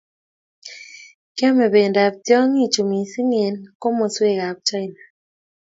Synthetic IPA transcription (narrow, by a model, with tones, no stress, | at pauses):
kjɛ˦mɛ˨be˨nda˨b̚tjɔ˦ŋi˦˨t͡ʃu˨mi˨si˦ŋe˨nko˦mo˨swe˦˨ɣa˨b̚t͡ʃa˦i˦na˨